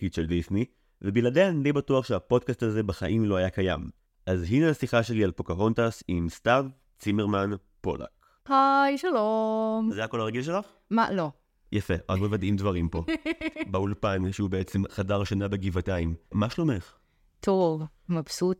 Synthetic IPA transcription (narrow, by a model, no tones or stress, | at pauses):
kit͡ʃeldisni | vebiladehanidejbatuaχʃeapo̞dkastazebaχaʔimlo̞ajakaja̰m | ʔazɦineasiχaʃe̞lialpokaʁontasimstav | t͡simeʁman | po̞̰la̰k | hajʃalomzeako̞laʁeɡilʃelaχ | ma̰lo̞ | jafeazmevadimdvaʁimpo̞baulepaimʃeubeet͡semχadaʁʃanabeɡivataimmaʃlomeχ | t̪ʰov | mapsut